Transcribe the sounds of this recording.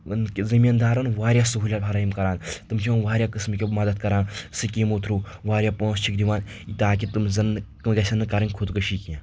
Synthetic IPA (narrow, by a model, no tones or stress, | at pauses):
nzimʲind̪aːɾɐnʋaːɾʲjaːsɐɦulʲabʰʱɐɾajimkɐɾaːnt̪umt͡ʃʰiʋɐnʋaːɾʲjaːkəsmikʲemɐd̪ɐt̪̚kɐɾaːnsɨkʲimuːt̪ʰɾuːʋaːɾʲjaːpõːst͡ʃʰikd̪iʋaːnit̪aːkʲit̪umzɐnkmɡɐsʲɐnɨkaɾɐnʲkʰot̪kɐʃiːkʲie